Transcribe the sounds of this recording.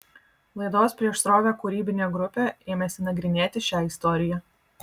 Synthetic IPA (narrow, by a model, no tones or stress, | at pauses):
lˠɐɪd̪oːspʲɾʲiɛʃsɾoːʋʲoːkʊɾʲiːbʲɪnʲeːɡɾʊpʲeːeːmʲɛsʲɪnɐɡɾʲɪnʲeːt̪ʲɪʃʲæːɪst̪ɔɾʲɪjæː